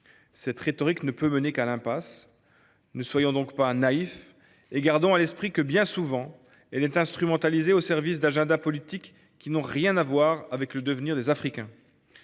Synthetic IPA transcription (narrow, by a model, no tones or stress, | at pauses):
sɛt̪χet̪ɔʁiknəpømənekalɛ̃pas | nəswajɔ̃d̪ɔ̃kpanaif | eɡaʁd̪ɔ̃alɛspχikəbjɛ̃suvɑ̃ | ɛlɛt̪ɛ̃st̪χymɑ̃t̪alizeosɛʁvis̬d̪aʒɛ̃d̪apɔlit̪ikː | inɔ̃ʁjɛ̃navwaʁavɛkləd̪əvniʁd̪ezafχikʲɛ̃